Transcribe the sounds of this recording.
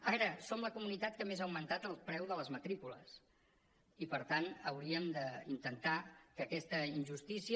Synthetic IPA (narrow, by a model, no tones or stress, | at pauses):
ɛɾəsomləkumunit̪at̪̚kəmezaəwmənt̪at̪əlˠpɾɛwðələzmət̪ɾikulə̰s | ipəɾt̪anəwɾiəmd̪əint̪ənt̪akəkɛst̪əinʲʒust̪isiə